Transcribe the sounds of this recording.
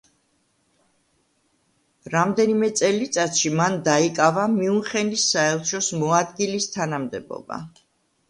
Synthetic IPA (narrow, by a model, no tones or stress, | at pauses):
ɾamd̪ɛnimɛt̪sʼɛlit̪sʼat̪ʃimand̪aikʼavamiuχɛnisːaɛlˠʃɔsmɔad̪ɡilist̪ʰanamd̪ɛbɔ̰ba̰